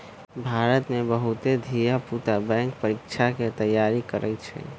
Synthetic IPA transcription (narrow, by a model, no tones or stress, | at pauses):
bʱaɾət̪mebəɦut̪ed̪ʱijaput̪abɛ̃ŋkpəɾikt͡ʃʰaket̪əjːaɾikəɾʔɛ̰t̪t͡ʃʰɛ̰